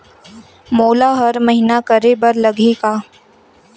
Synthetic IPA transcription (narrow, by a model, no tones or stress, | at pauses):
moːlaɦɐɾmɐɦɪnakɐɾebɐɾlɐɡʱikaː